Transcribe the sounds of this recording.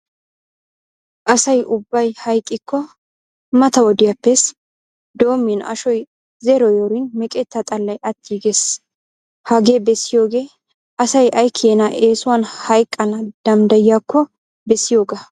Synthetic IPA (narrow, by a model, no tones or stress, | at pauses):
ʔɐsɐjʔʊbːɐjhɐjkʼːɪkːɔ | mɐt̪ɐwɔd̪ɪjɐpːɛs | d̪o̞ːmːɪnʔɐ̰ʃɔj | zɛɾɔjoɾɪnmɛkʼɛt̪ːɐt̪ʼɐlːɐjʔɐt̪ʰːiːɡes | hɐɡeːbɛsːɪjo̞ːɡe̞ː | ʔɐsɐjɐjkʰːɪeːnɐʔe̞ːsʊwɐnhɐjkʼːɐnɐd̪̥ɐmd̪ɐjɪjakːɔ | bɛsːɪjo̞ːɡɐ